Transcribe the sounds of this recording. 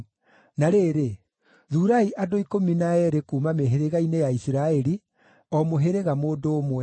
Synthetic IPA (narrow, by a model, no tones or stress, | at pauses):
naɾeːɾe | ðuːɾaiʔadoikominaɛɾekuːmameɦeɾeɣainejaisiɾaɛɾi | ɔmoɦeɾeɣamoːdoːmwɛ